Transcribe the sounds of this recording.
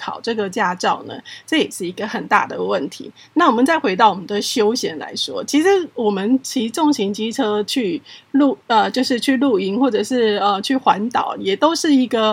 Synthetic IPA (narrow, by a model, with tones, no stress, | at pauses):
kʰɑ˨˩ʊʈ͡ʂɤ˥˩ɡə˩t͡ɕja˥˧ʈ͡ʂɑ˥˩ʊnə̰˩ʈ͡ʂɤ˥˧jɛ˨˩ʂɻ̩˥˩i˧˥ɡə˨xə˨˩nt̪a̰˥˩d̪ə˩wə˥˩nt̪ʰḭ˧˦ | na˥˩wɔ˨˩mə˨˦nt͡sa˥˩ɪxwe˧˥ɪt̪ɑ˥˩ʊwɔ˨˩mə˦nd̪ə˧ɕjo˥ʊɕjɛ˧˥nla̰˧˥ɪʂwɔ̰˥t͡ɕʰi˧˥ʂɻ̩˧˦wɔ˨˩mə˦nt͡ɕʰi˧˥ʈ͡ʂɔ˥˨˩ŋɕi˧˥ŋt͡ɕi˥ʈ͡ʂʰɤ˥t͡ɕʰy˥˧lu˥˨ə˨t͡ɕjo˥˧ʊʂɻ̩˥˧t͡ɕʰy˥˧lu˥˩i˧˥ŋxwɔ˥˩ʈ͡ʂɤ˨˩ʂɻ̩˥˩ə˧t͡ɕʰy˥˩xwa˧˦˥nt̪ɑ̰˨˩˦ʊjɛ˨˩t̪o˥ʊʂɻ̩˥˩i˧˥ɡə˨